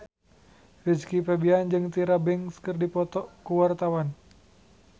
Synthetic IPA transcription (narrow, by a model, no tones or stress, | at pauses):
rid͡ʒkipɛbiand͡ʒɨŋt̪iɾabɪŋskərdipɔt̪ɔkuwart̪awan